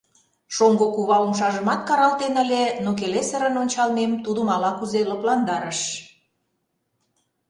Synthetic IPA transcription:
ʃoŋɡokuβɑumʃɑʒəmɑt̪̚kɑɾɑlt̪enəlʲenok̬elesəɾə̆nonʲt͡ɕɑlmemt̪ud̪əmɑlɑkuzeləplɑnd̪ɑɾəʃ

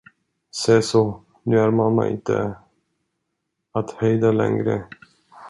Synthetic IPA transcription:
sɛːso | nʉ̟ːæɾmamːa̰ʔɪ̰nt̪ə̰ | at̪hœjd̪alɛ̰ŋɡɾə

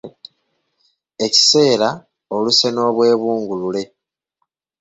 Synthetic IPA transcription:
e̞ci̥se̞ːɾa | o̞luse̞no̞ːβwe̞ːβuːŋɡulule̞

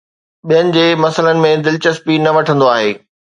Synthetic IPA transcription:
ɓijənɪ̆d͡ʑeːmɐsələnɪ̆mẽd̪ɪlt͡ɕɐspinɐʋɐʈʰə̃nd̪oaːɦeː

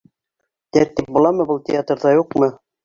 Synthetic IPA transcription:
t̪æɾt̪ip̚bulˠɑmɤbɤlˠt̪ʲɪat̪rðɑjuqmɤ

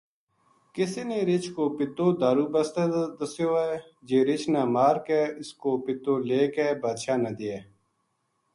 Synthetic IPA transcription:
kɪsiːneːɾɪt͡ʃkoːpɪt̪õːd̪aːɾuːbəst̪ed̪əsjoːɛː | d͡ʒeːɾɪt͡ʃnãːmaːɾkɛːɪskoːpɪt̪õːleːkɛːbaːd̪ʃaːnəd̪ɪːɛː

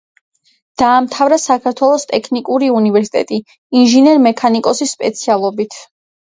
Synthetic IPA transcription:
d̪̥aːmt̪ʰavɾasakʰaɾt̪ʰwɛlˠɔst̪ʼɛkʰnikʼuɾiunivɛɾsi̥t̪ʼɛ̰t̪ʼiː | nʒinɛɾmɛkʰanikʼɔsisːpʼɛt̪sʰialˠɔbit̪ʰ

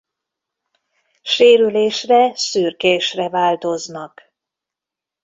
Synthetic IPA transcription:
ʃeːɾyleːʃrɛsyːrkeːʃrɛvaːlt̪o̞znɒk

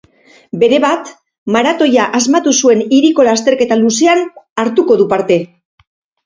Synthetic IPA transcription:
be̞ɾe̞βat̪ | maɾat̪o̞jaʔazmat̪usue̞niɾiko̞last̪e̞ɾke̞t̪aluse̞anaɾt̪uko̞ðupaɾt̪e̞

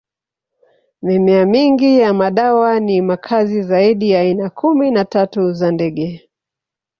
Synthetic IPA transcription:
mimɛamiŋɡijamaɗawanimakʰazizaiɗijaːinakʰuminatatuzandɛɠɛ

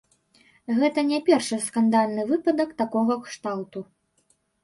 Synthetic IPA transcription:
ɣɛt̪ɐnʲɛpʲɛrʂɨskand̪alʲnɨvɨpɐd̪ɐkt̪akɔɣɐkʂt̪alt̪u

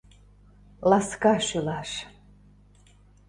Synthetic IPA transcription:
laskaʃylaʂ

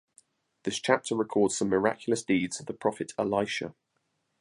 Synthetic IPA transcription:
ðɪst͡ʃʰap̚tʰəɹɪkʰɔːdz̥sə̃mːɪɹa̰kʰjl̩əsd̥iːdz̥əvðəpʰɹ̥ɒfɪtʰəlaɪʃə̰

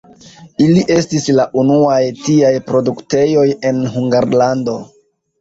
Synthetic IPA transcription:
iliʔe̞stislaʔunuajtiajpɾo̞dukte̞jo̞je̞nɦuŋɡaɾlando̞

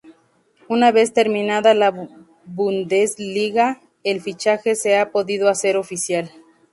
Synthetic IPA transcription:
unaβe̞st̪e̞ɾmĩnaðala | βund̪ezliɣa | elfit͡ʃaxe̞se̞apo̞ðiðoase̞ɾo̞fisjal

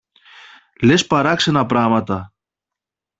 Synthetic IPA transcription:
le̞spɐɾɐksenɐpɾɐɣmɐt̪ɐ

